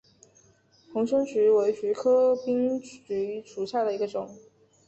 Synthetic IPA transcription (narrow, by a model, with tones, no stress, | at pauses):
pʰʊ˧˥ŋʂɤ˥ŋt͡ɕy˧˥we˧˥ɪɕɥɛ˧˥kʰɤ˥pi˥ŋy˧˥ʂu˨˥ɕja˥˩d̪ə˩i˧˥ɡə˧ʈ͡ʂʊ˨˩˦ŋ